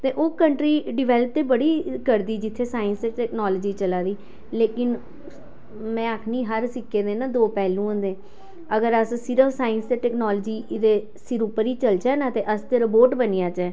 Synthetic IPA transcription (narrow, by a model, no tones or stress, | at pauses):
t̪eːʔoːkəɳʈɾiːɖɪʋɛːləp̚t̪eːbəɽiːkəɾd̪iːd͡ʒɪt̪ʰːeːsaːɪnst̪eːʈɛːknɔːləd͡ʒiːt͡ʃəlaːd̪iː | leːkɪn | mɛ̃ːəkʰniːɦəɾsɪkːeːd̪ẽːnaːd̪oːpɛːlũːõːnd̪eː | əɡəɾəssɪɾəfsaːɪənst̪eːʈɛːknɔːld͡ʒiːd̪eː | sɪɾupəɾiːt͡ʃəlt͡ʃɛːnãːt̪eːʔəst̪eːɾəpoːʈbənijaːt͡ʃɛː